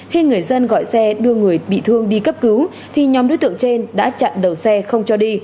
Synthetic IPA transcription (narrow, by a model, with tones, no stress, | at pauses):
xi˧ŋɨ˨˩əjzə˧nɣɔ̰˧˨jsɛ˧ɗɨ˧əŋɨ˨˩əjɓḭ˧˨t̪ʰɨ˧əŋɗi˧kə˦˥p̚kɨ˨˦w | t̪ʰi˨˩ɲɔ˨˦mɗo̰˧˥jt̪ɨ̰˧˨ə˨ŋt͡ɕe˧nɗa̰ː˧˥t͡ɕa̰˧˨nɗə˨˩wsɛ˧xə˧wŋ͡mt͡ɕɔ˧ɗi˧